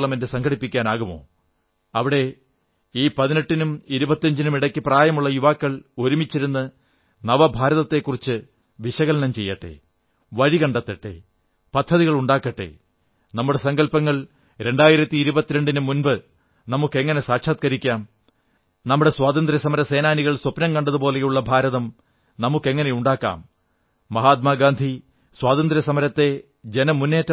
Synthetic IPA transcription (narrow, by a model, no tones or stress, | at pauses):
ɭɐmendɨsɐŋɡʰɐɽipːikʲːaːnaːɣumo̞̰ː | ɐʋiɽe̞ | iːpɐðineʈːinumiɾubɐt̪ːɐɲd͡ʑinumiɽɐkʲːɨpraːjɐmuɭːɐjuʋaːkːɐɭo̞ɾumit͡ɕːiɾunːɨ | nɐʋɐbʱaːɾɐðɐt̪ːe̞kːurit͡ɕːɨ | ʋiɕɐɣɐlɐnɐmt͡ɕe̞jːɐʈːḛ | ʋɐɻikɐɳɖɐt̪ːɐʈːḛː | pɐd̪ʰʱːɐðiɣɐɭuɳɖaːkːɐʈːḛ | nɐmːuɽe̞sɐŋɡɐlpɐŋːɐɭ | ɾe̞ɳɖaːjiɾɐt̪ːiːɾubɐt̪ːiɾe̞ɳɖinɨmunbɨ | nɐmukːe̞ŋːɐne̞saːʈʂʰaːt̪̚kɐɾikʲːaːm | nɐmːuɽe̞swaːt̪ɐnd̪ɾɐsɐmɐɾɐse̞ːnaːniɣɐɭswopnɐmkɐɳɖɐðupo̞ːle̞juɭːɐbʱaːɾɐðɐm | nɐmukːe̞ŋːɐnejuɳɖaːkːa̰ːmː | ɐɦaːt̪̚maːɡaːnd̪ʱi | swaːðɐnd̪ɾɐsɐmɐɾɐt̪ːe̞ | d͡ʑenɐmunːe̞ːtːɐ